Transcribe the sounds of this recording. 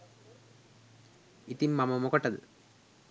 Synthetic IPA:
it̪imːɐmɐmokɐʈːɐd̪ɨ̰

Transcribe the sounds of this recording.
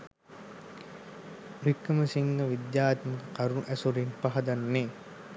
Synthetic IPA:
ɾikːəməsiŋɡəʋid̪jaːt̪məkəkaɾunʔæsuɾinpaɦɐd̪anːeː

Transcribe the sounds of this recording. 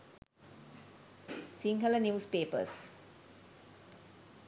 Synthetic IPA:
siŋɡələnjuːspeːpə̰s

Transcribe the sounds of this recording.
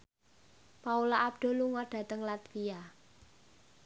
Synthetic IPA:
paulaʔːb̚d̪̥o̤luŋɔɖ̥ä̤t̪əŋlat̪fia

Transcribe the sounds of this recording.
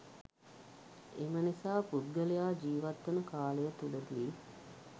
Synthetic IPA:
emənisaːpud̪̚ɡəlejaːd͡ʒiːʋat̪ːənəkaːləjət̪uləd̪iː

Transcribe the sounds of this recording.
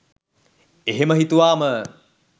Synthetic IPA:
eɦeməɦit̪uʋaːmə

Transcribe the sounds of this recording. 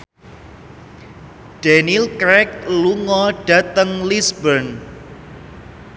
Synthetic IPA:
d̥anilkɾɛk̚luŋɔɖ̥a̤t̪əŋlisbən

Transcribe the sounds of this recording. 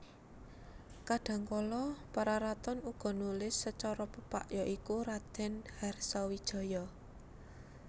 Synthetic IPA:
kaɖ̥a̤ŋkɔlɔpaɾaɾat̪ɔnuɡ̥ɔ̤nulɪsːət͡ʃɔɾɔpəpa̰ʔjɔʔikuɾad̪̥ɛ̤nharsɔwid̥ʒ̥ɔ̤jɔ

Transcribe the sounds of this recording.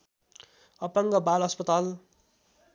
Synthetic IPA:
ʌpʌŋɡʌbalʌspʌt̪al

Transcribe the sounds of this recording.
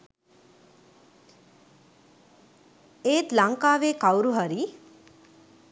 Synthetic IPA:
eːt̪laŋkaːʋeːkawɾuɦaɾi

